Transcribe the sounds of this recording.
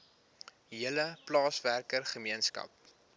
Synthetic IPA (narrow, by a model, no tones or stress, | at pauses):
ɦiələplɑːsværkərχəmiənskɐ̰p̚